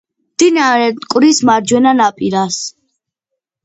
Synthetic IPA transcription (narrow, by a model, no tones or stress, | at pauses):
md̪̥inaɾɛkʼvɾismaɾd͡ʒwɛnanapʼiɾas